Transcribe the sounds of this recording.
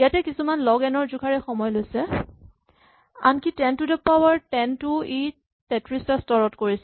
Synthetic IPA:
ijatɛkisumanlɔɡɛnɔɹzukʰaɹɛxɔmɔjlojsɛ | a̰nkitɛntudɛpabaɹtɛntʊi | pɛtɹistastɔɹɔtkoɹis

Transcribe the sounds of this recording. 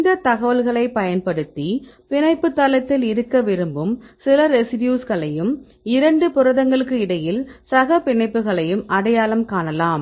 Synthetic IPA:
nd̪ɐt̪ɐɣɐʋɐlɣɐɭɐɪpɐjɐnpɐɽɯt̪ːipɪɳɐɪpːɯt̪ːalɐt̪ːɪlɪɾɯkːɐʋɪɾɯmbɯmsɪlɐɾɛsɪʈjuːsɣɐɭɐjɯm | ɪɾɐɳɖɯpʊɾɐðɐŋɡɐɭɯkːɯɪɽɐjɪlsɐɣɐpɪɳɐɪpːɯɣɐɭɐjɯmʔɐɽɐjaːlɐmkaːɳɐlaːm

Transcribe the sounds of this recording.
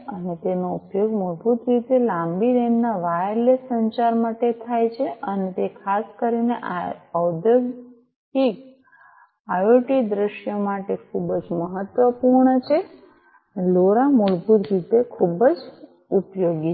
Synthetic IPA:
ənet̪enoupjoɡmoɭbʱut̪ɾit̪elãmbiɾennaʋajɾlesəɲt͡ʃaɾmaʈet̪ʰajt͡ʃʰeʔənet̪ekʰaskəɾineʔəwd̪jəɡ | ʈik | ajoʈid̪ɾəʃjəmaʈekʰubd͡ʒməɦət̪ʋəpuɾɳt͡ʃʰe | loɾamoɭbʱut̪ɾit̪ekʰubəd͡ʒ | upjoɡi

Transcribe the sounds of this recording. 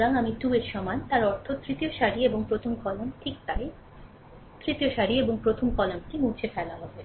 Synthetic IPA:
ɾaŋamiʈueɾʃɔmant̪aɾɔɾt̪ʰot̪ɾit̪ijoʃaɾieboŋpɾot̪ʰomkɔlonʈʰik̚t̪aɾe | t̪ɾit̪ioʃaɾieboŋpɾot̪ʰomkɔlonkimut͡ɕʰefɛlaɦɔbe

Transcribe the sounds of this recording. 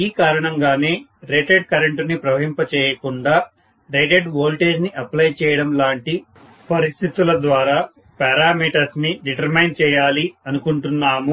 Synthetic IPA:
iːkaːɾɐɳɐŋɡaːne̞ːɾeːʈeɖkɐɾɐɳʈnipɾɐʋɐɦimpɐt͡ʃɛːjɐkuɳɖaː | ɾeːʈeɖʋoːlʈe̞ːd͡ʒniʔɐplɐjt͡ʃɛːjɐɽɐmlaːɳʈi | pɐɾist̪ʰit̪ulɐd̪ʋaːɾaː | paːɾaːmiːʈɐsniɖiʈɐɾmɐjnt͡ʃɛːjaːliɐnukuɳʈunːaːmu

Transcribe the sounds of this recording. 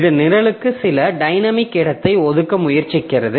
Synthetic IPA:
ðɐnɪɾɐɭɯkːɯsɪlɐɖɐɪnɐmɪkːɪɽɐt̪ːɐɪɔðɯkːɐmʊjɐɾt͡ʃɪkːɪrɐðɯ

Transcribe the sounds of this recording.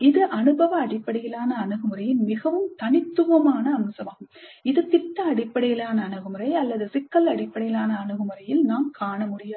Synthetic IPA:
ɪðɯʔɐnɯbɐʋɐːɽɪpːɐɽɪjɪlaːnɐːnɯɣɯmɯɾɐjɪnmɪɣɐʋɯmt̪ɐnɪt̪ːɯʋɐmaːnɐːmsɐmaːɣɯmɪðɯpɪʈːɐɐɽɪpːɐɽɪjɪlaːnɐːnɯɣɯmɯɾɐɪɐlːɐðɯsɪkːɐlɐɽɪpːɐɽɪjɪlaːnɐːnɯɣɯmɯɾɐjɪlnaːmkaːɳɐmʊɽɪjaː

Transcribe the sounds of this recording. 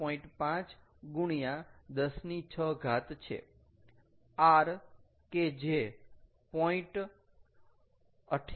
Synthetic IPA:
ɔĩɳʈpãt͡ʃ | ɡuɽ̃ijãd̪əsnit͡ʃʰəɡʱat̪t͡ʃʰḛ | aɾ | ked͡ʒe | pɔĩʈ | əʈʰ

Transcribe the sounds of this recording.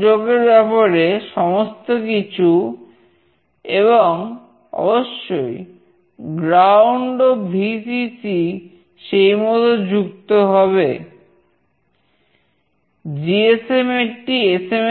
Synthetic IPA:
oɡeɾbɛpaɾeʃɔmost̪okit͡ɕʰu | eβoŋ | ɔ̰boʃːoj | ɡɾawɳɖobʱisit͡ɕi | ʃejmɔt̪od͡ʑuk̚t̪oɦɔβe | d͡ʑiesemeʈiesem

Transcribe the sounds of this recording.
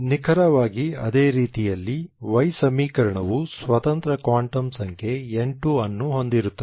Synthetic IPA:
nikʰɐɾɐʋaːɡiɐ̰d̪e̞ːɾiːt̪ijɐlːiʋɐjsɐmiːkɐɾɐɳɐʋusʋɐt̪ɐnt̪ɾɐkaːɳʈɐmsɐŋkʰe̞eɳʈuɐnːuɦo̞nd̪iɾut̪ːɐ

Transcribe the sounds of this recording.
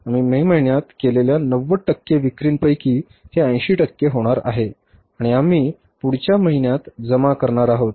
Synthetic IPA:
am̤iːmeməɦinjat̪keleljanəʋːəʈəkːeʋikɾiːnpəjkiː | h̪eə̃j̃ɕiːʈəkːeɦoɽ̃aɾa̰ɦe | aɽ̃iamiː | puɽ̤t͡ɕjaməɦinjat̪d͡zəmakəɾɳaɾaɦot̪̚

